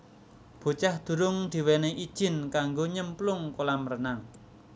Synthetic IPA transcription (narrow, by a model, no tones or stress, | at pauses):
b̥o̤t͡ʃahd̪̥ṳɾʊŋd̪̥i̤wɛneʔid̥ʒ̥ɪ̤nkaŋɡoɲəmplʊŋkolamərənaŋ